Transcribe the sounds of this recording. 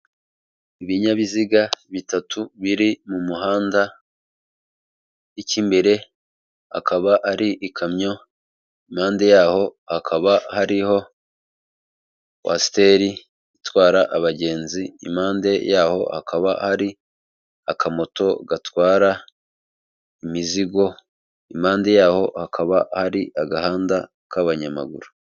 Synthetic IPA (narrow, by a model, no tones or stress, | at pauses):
iβiɲaβiziɡaβitatʰuβiɾimumuɦaːnda | icimbe̞ɾe̞ | ha̰kʰaβaʔaɾiʔikʰamɲo̞ | imaːnde̞jaːho̞hakʰaβahaɾiho̞ | wʔa̰ste̞ːɾi | itwaːɾaʔaβaɟe̞ːnzḭːmaːnde̞jaːho̞̰hakaβa̰haɾi | akamo̞to̞ɡatwaːɾa | imiziɡo̞ | imaːnde̞jaːho̞hakʰaβahaɾiʔaɡahaːnda | kaβaɲama̰ɡṵɾu